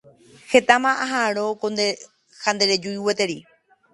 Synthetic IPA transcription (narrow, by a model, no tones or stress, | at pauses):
het̪amãaɦaɾokond̪e | hãnd̪eɾed͡ʒuiwet̪eɾi